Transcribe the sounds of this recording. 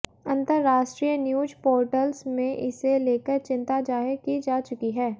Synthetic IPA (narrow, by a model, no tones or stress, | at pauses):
ɐ̃nt̪əɾːaːʃʈɾijənjuːd͡ʒpoːɾʈəlsmẽʔɪseleːkəɾt͡ʃɪ̃nt̪ad͡ʒaːɦəɾkid͡ʒaːt͡ʃʊkiɦɛː